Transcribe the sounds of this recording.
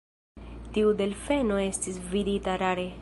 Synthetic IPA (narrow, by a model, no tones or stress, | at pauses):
tiude̞lfe̞noe̞stisviditaɾaɾe